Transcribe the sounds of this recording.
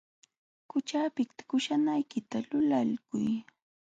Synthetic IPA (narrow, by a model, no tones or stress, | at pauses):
kʊt͡ʃapɪk̚t̪ḁkʊʃanajkɪt̪alʊlalkʊj